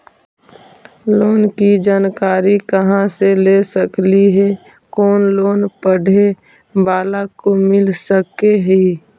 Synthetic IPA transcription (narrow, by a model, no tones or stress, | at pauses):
loːnkid͡ʒaːnkaːɾikəɦãselesəkliɦɛ | kɔːnloːnpəɽʱe | baːlakomɪlsəkeɦiː